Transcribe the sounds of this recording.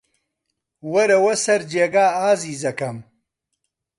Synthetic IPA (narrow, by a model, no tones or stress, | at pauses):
wɐɾɐwɐsɐɾd͡ʒeːɡaːaːziːzɐkɐm